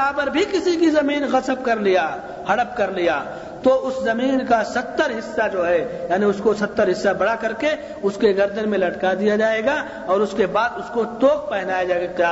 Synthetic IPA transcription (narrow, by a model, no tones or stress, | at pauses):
apɐɾbʱikɪsikizɐmiːnɣɐsəb̚kɐɾlija | hɐɽəb̚kɐɾlijaː | t̪oʔʊszɐmiːnkasɐt̪ːəɾɦɪsːad͡ʒoːɦɛjaːniʊskosɐt̪ːəɾɦɪsːabɐɽakɐɾke | ʊskeɡɐɾd̪ʱənmẽlɐʈkad̪ijad͡ʒaːeːɡa | ɔːɾʊskebaːd̪ʊskot̪oːk̚pɛɦnaːjad͡ʒaːɡaaː